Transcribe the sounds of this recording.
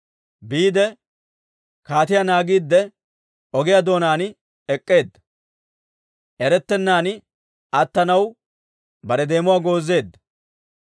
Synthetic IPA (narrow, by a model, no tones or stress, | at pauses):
biːd̪ɛ | kaːt̪ɪjanaːɡiːd̪ːɛ | ɔɡɪjad̪o̞ːnaːnɪ | ɛkʼːe̞ːd̪ːɐ | ʔɛɾɛt̪ːɛnːaːn | ɐt̪ːɐnɐw | bɐɾɛd̪e̞ːmʊwaːɡo̞ːzːe̞ːd̪ːɐ